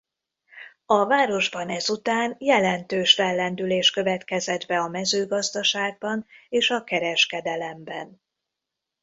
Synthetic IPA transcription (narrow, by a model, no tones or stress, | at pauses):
ɒvaːɾo̞ʒbɒnɛzut̪aːnjɛlɛnt̪øːʃfɛlːɛnd̪yleːʃkø̞vɛt̪kɛzɛd̪bɛɒmɛzøːɡɒzd̪ɒʃaːɡ̚bɒneːʃɒkɛɾɛʃkɛd̪ɛlɛmbɛn